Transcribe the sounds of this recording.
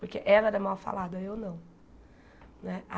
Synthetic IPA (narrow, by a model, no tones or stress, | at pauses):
poɾkeʔɛlɐɛmawfa̰lad̪ɐewnɐ̃w̃ | nɛa